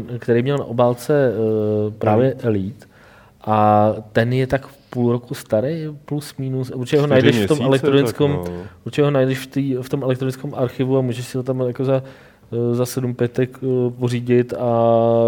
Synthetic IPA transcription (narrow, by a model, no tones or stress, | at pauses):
kt̪ɛɾejmɲɛlna̰ʔobaːlt͡sɛ | pɾaːvjɛʔliːt̪ | ʔat̪ɛnjɛt̪akpulɾokust̪aɾejplusmiːnusurt͡ʃɛɦonajdɛʃft̪omɛlɛk̪̚ɾonɪt͡skomuɾt͡ʃɛɦonajdɛʃft̪iːft̪omɛlɛkt̪ɾonɪt͡skɛmʔaɾxɪvuamuːʒɛʃsɪhot̪̬amjakoza | zasɛdumpjɛt̪ɛkporiːɟɪt̪a